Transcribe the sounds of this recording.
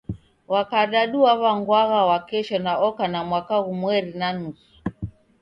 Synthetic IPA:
wakaɗaɗuwaβaŋɡwaɣawakɛʃɔnaɔkanamwakaɣumwɛɾinanusu̥

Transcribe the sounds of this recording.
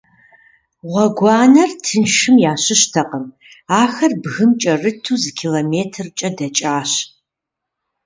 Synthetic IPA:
ʁʷɔɡʷɑːnɐrtʰɨnʃɨmjaːɕɪɕtʰɐqʼəm | aːxɐrbɣɨmt͡ʃʼɐrɨtʰuːzɨkʰiloːmeːtʰɨrt͡ʃʼɐdɐt͡ʃʼaːɕ

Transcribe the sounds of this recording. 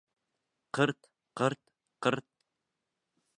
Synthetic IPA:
qʰəɾt̪ | qəɾt̪ | qəɾt̪̚

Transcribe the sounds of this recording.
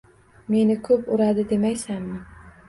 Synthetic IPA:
me̞nɪkʰɵpʊɾad̪ɪd̪e̞majsanmɪ

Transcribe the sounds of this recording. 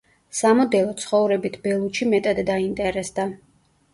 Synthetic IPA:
samɔd̪ɛlˠɔt̪sʰχɔvɾɛbit̪ʰbɛlˠut͡ʃimɛt̪ʼad̪ːaint̪ʼɛɾɛsd̪a

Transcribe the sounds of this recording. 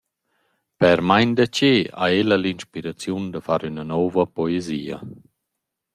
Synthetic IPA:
pɛɾmajnd̪at͡ɕea̰elalinʃpiɾat͡sjund̪afaɾynanɔvapɔeziːa̰

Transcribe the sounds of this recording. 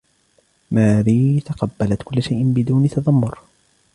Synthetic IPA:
maːbiːt̪ɑqɑbːalat̪kʊlːaʃajʔɪnbɪd̪uːnɪt̪ɑðˤɑmːʊɾ

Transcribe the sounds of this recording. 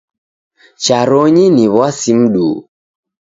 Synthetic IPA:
t͡ʃaɾɔɲiniβwasim̩ɗuː

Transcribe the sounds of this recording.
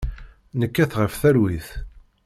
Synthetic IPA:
nəkːæθʁəfθæɾwiθ

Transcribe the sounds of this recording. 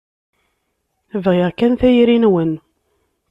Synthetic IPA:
vʁɪʁkænθæjɾinwən

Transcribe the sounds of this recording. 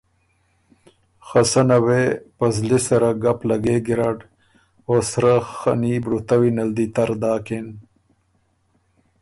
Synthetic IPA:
xasanawepɐzlisɐɾaɡaplaɡeɡiɾaɖ | osɾaxanibɽut̪awinɐld̪it̪ɐɾd̪aːken

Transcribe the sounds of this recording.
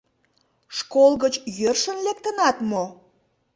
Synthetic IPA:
ʃkolɣət͡ɕjørʃənlek̚t̪ənɑt̪mo

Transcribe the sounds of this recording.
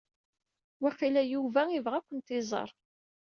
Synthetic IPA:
wæχilæjuvæivʁækʷːənt̪ɪzˤə̰ɾˤ

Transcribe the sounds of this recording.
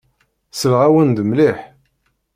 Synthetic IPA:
səlʁæwənd̪mliħ

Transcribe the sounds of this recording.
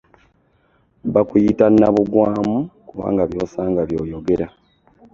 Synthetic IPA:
βakujitanːaβuɡwaːmukuβa̰ːŋɡaβjo̞ːsaːŋɡaβjo̞ːjoɡe̞ɾa

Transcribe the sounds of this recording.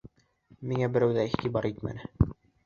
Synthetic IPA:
miŋæbɘ̆ɾæwðæiχt̪ibɑɾit̪mæ̰nɘ

